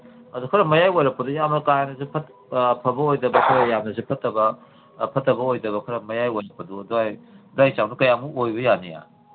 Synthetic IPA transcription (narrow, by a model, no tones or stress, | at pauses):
ɐdukʰɐɾɐmɐjajojɾɐpːɐdujamnɐkajanɐzipʰɐt | pʰɐbɐojdɐbɐkʰɐɾajamnɐzipʰɐtːɐbɐ | pʰɐtːɐbɐojdɐβɐkʰɐɾɐmɐjajojɾɐpːɐduɐduajduajt͡ʃawnukɐjamuojbɐjanija̰